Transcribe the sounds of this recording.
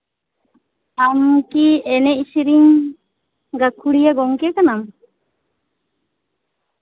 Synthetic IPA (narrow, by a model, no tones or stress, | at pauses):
amkiɛnɛisiɾiŋ | ɡakuɽijaɡɔŋkiakanam